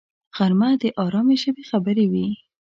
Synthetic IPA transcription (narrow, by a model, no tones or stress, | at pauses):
ɣ̥aɾmad̪əʔɑɾɑmeʒəbexabəɾewi